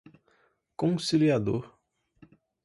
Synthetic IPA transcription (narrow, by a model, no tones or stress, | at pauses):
kõsiliad̪oɾ